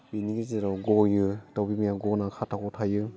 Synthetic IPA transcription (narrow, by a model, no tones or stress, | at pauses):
biniɡiziɾɔɡɔjɯtawbimijaɡɔnakʰatʰakɔtʰajɯ